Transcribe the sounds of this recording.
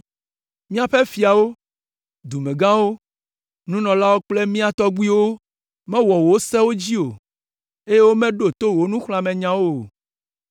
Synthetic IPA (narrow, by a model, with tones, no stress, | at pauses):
mĩ˦a˨ɸe˦fi˨a˨wo˦ | d̪u˨mẽ˨ɡã˦wo˦ | nũ˦nɔ̃˨la˦wo˦k͡ple˦mĩ˦a˨t̪ɔ˦ɡ͡bu˦i˦wo˦ | mɛ̃˦wɔ˨wo˨wo˦sɛ˦wo˦d͡ʑi˦o˨ | e˦je˦wo˦mɛ̃˦ɖo˨t̪o˦wo˦nũ˦xl̃ã˨mɛ̃˨ɲã˨wo˦˨